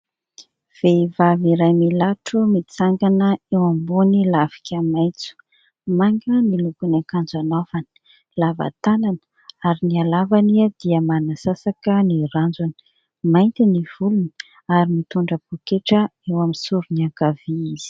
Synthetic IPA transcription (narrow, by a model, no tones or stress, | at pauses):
v̥eivaviɾajmilaʈ͡ʂumit͡saŋɡanəewambunilavi̥kʲʰamajt͡su̥ | maŋɡənilukunakand͡zanovani̥ | lava̰t̪anan | aɾinialavaniad̪̥iəmanasasakəniɾand͡zunə̥ | majnt̪iniv̥uluni̥ | aɾimit̪uɳɖ͡ʐəpukeʈ͡ʂəewamisuɾuniakav̥iiz̥i̥